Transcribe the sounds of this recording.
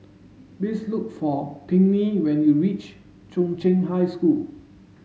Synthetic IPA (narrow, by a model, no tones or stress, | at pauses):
bislukfɔpʰĩŋniwɛ̃njuɹit͡ʃ | t͡ʃɔ̃ŋt͡ʃẽnɦajskul